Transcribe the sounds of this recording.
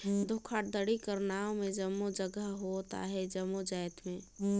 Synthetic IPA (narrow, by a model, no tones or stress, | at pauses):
d̪ʱokʰaʈ̚d̪əɽikəɾnaːomẽd͡ʒəmːod͡ʒəɡəɦɦot̪a̰ɦɛd͡ʒəmːod͡ʒajt̪mẽ